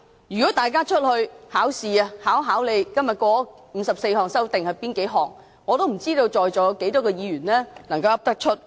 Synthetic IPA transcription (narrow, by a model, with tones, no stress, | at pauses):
jyː˨kɔː˨˥t̪aː˨˩jk̬aː˥t͡ʃʰɵ˥t̚hɵ˧ɥhaː˨˥wsiː˨a˧haː˨˥wɦaː˨˥wle˨˧jkɐ˥mjɐ˨t̚kɔː˥ | m̩˨˦sɐ˨p̚se˧jɦɔː˨˩ŋsɐ˥wt̪ɪ˨ŋhɐ˨jpiː˥nke˨˥jɦɔː˨˩ŋː | ɔː˨˧t̪o˥wm̩˨˩t͡siː˥t̪o˧wt͡sɔː˨jt͡sɔː˨˥jke˨˥jt̪ɔː˨˥kɛː˧jiː˨˧ɥyː˨˩nlɛː˥nɐ˨˩ŋkɐ˧wɐ˥p̚t̪ɐ˥k̚t͡ʃʰɵ˥t̚